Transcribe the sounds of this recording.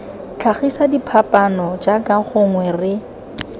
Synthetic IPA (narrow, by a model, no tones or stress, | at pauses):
t͡ɬʰaχisadipʰapʼanɔd͡ʒakʼaχʊŋwɛrɪ